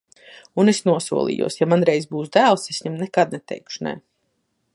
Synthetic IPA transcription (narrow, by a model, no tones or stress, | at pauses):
unesnuɔsṵɔlˠḭːjṵɔsjamanɾɛjzbuːsd̪æːlˠsesɲɛmnɛkad̪̚nɛt̪ʰɛ̰jkʃunɛ̰